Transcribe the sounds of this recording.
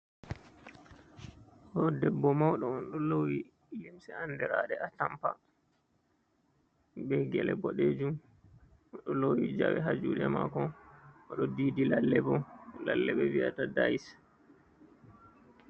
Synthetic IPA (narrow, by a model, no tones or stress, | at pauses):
hɔdɛbːɔmawɗɔːnɗɔlowi | limsɛandɛɾa̰ɗɛatampa | ɓɛɡɛlɛbɔɗeːd͡ʒum | ɗɔlowid͡ʒa̰wɛɦad͡ʒuːɗɛma̰kɔɔɗɔdiːdilalːɛbɔlalːɛɓɛviatadais